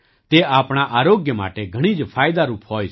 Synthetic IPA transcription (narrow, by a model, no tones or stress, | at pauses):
t̪eaːpɽ̃aʔaːɾoːɡjəma̰ːʈeɡʱɐɽ̃id͡ʒpʰaːjd̪aɾuːpɦoːi